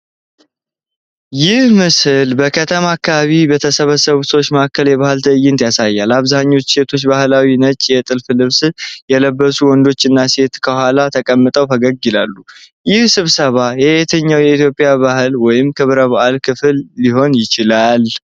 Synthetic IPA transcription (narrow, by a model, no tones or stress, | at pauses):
jɪhmɨsɨlbəkʰət̪ʰəmakːaβaβibet̪ʰəsəβəsəβusəwt͡ʃːməakʰːəljɛβahɨlt̪ʰəjɪnt̪jasajːalaβzaɲːo̞t͡ʃːse̞t̪ʰo̞t͡ʃːbahlawinət͡ʃʼjɛt̪ʼɨlfɨlɨβsɨjɛləbːəsuwɔnd̪o̞t͡ʃːɨnːase̞t̪kʰəhʷalat̪ʰəkʼəmːɨt̪ʼəwt̪ʰəɡəɡɪlalːu | jɪhsɨβsəβajɛʔet̪ʰəɲːawjɛit̪jo̞pʼɪjaβahɨlwɔjɪmkʰɨβɾəβaʔalkʰɨfɨlːiɦo̞njɪt͡ʃɪlal